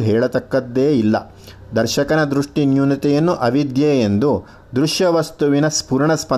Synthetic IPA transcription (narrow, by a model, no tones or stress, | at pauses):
ɦɛːɭɐt̪ɐkːɐd̪ːeːilːɐ̰ | d̪ɐɾʃɐkɐnɐd̪ɾuʂʈinjunit̪ɛjɐnːuʔɐʋid̪jeːend̪u | d̪ɾuʃjɐʋɐst̪uʋinɐspuːɾɳɐspɐ